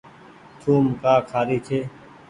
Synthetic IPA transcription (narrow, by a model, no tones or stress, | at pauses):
t͡ʃʰuːmkaːkʰaːɾiːt͡ʃʰeː